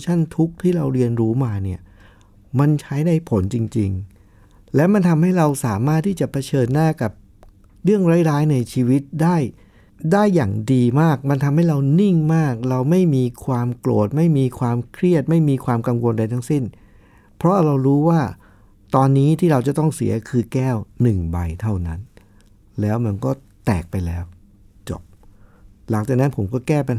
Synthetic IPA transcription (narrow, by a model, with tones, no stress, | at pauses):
t͡ɕʰa˥˩nt̪ʰu˦˥k̚t̪ʰiː˥˩ɾa˧wɾi˧ənɾuː˦˥maː˧ni˥˩ɐ | ma˧nt͡ɕʰa˦˥jna˧jpʰo˩˦nt͡ɕi˧ŋt͡ɕḭ˧ŋ | lɛː˦˥ma˧nt̪ʰa˧mha˥˩jɾa˧wsaː˩˦maː˥˩t̪ʰːiː˥˩t͡ɕa˨˩pʰa˧t͡ɕʰɤː˧nːaː˥˩ka˨˩p̚ | ɾɯ˥˩əŋɾa˦˥jɾaː˦˥jna˧jt͡ɕʰiː˧wi˦˥t̪̚daː˥˩j | daː˥˩jːaː˨˩ŋdiː˧maː˥˩k̚ma˧nt̪ʰa˧mha˥˩jɾa˧wni˥˩ŋmaː˥˩k̚ɾa˧wma˥˩jmiː˧kʰwaː˧mklo̰ː˨˩t̪̚ma˥˩jmiː˧kʰwaː˧mkʰɾi˥˩ət̪̚ma˥˩jmiː˧kʰwaː˧mka˧ŋwo˧nda˧jt̪ʰa˦˥ŋsi˥˩n | pʰɾɔ˦˥ʔɾa˧wɾuː˦˥waː˥˩ | t̪ɔː˧nːiː˦˥t̪ʰiː˥˩ɾa˧wt͡ɕa˨˩t̪ɔ˥˩ŋsḭ˩˦ɐkʰɯː˧kɛː˥˩wnɯ˨˩ŋba˧jt̪ʰa˥˩wna˦˥n | lɛː˦˥wma˧nkɔː˥˩ | t̪ɛː˨˩k̚pa˧jlɛː˦˥w | t͡ɕɔ̰˨˩p̚ | la˩˦ŋt͡ɕaː˨˩na˦˥npʰo˩˦mkɔː˥˩kɛː˥˩pa˧n